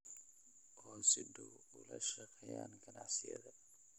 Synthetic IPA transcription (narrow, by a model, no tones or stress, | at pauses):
ʔɔːnsɪd̪u | ʊlɐ̰ʃɐqɛja̰ːnɡɐnɑʕsɪjɐ̰ðɐ